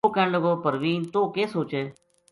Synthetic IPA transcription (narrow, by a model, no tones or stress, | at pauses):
oːkə̃ɳləɡoːpəɾʋiːnt̪oːkeːsoːt͡ʃeː